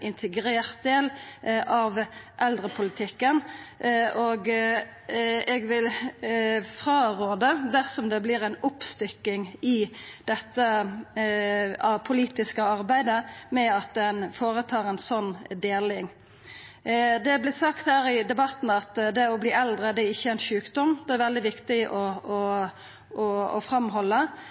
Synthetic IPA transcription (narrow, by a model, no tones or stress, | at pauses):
ɪnt̪ʰəɡʁeːʁt̪̚d̪eːlʔɑʋ | ʔɛld̪ʁəpʰʊlɪt̪ʰɪkːənʔoɡ | ɛɡʋɪl | fʁɑːʁoːd̪əd̪æʁsɔmd̪ɛblɪʁɛnʊpst̪ʏkːɪŋɪd̪̥ɛt̪ːə | ɑpʰʊliːt̪ɪskəɑɾbæɪd̪əmɛɑt̪̚d̪ɛnfoːʁət̪ʰɑːʁɛɪnsɔnːd̪eːlɪŋ | d̪ɛblɪsɑkt̪hæːɾɪd̪ɛbɑt̪n̩ɑt̪d̪ɛɔbliːɛld̪ʁəd̪ɛæɪçːəɛɪnʃʉːkd̪ɔmd̪ɛæɾʋɛld̪ɪʋɪkt̪ɪʔɔɔ | ɔɔfɾɑmɦɔlːə